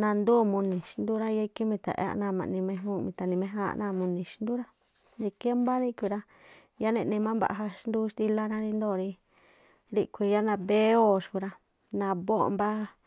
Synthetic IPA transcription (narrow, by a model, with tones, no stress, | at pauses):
nã˧nd̪uː˦˨mũ˧nĩ˨ʃi˧˦nd̪u˦ɾa˦ja˦˧ki˦mĩ˧t̪a̰˨ʔa̰˦˧nãː˧˨mã̰˨nĩ˧mẽ˧ɦũ˦mĩ˧t̪a˨˧nĩ˧mẽ˦ɦa̰˦˧nã˦˧˨mũ˧nĩ˨ʃnd̪u˦ɾa˦ | ɾi˧ke˦mba˦ɾĩ˦kʷi˧ɾa˦ | ja˦nẽ˧nĩ˧mã˦mba̰˧ʔɦa˧ʃnd̪u˦ʃt̪i˧la˦nã˦ɾi˧nd̪o˦˨ɾi˧ | ɾi˦˧kʷi˧ja˦nã˧βe˦o˦˨ʃku˧ɾa˧ | nã˧βo̰˦˨˧mba˦